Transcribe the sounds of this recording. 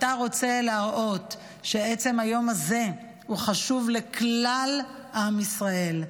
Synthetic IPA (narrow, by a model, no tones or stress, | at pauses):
ataʁo̞t͡se̞laaʁʔo̞t | ʃeet͡se̞majo̞maze̞ | huχaʃuvle̞klal | ʔamisʁae̞l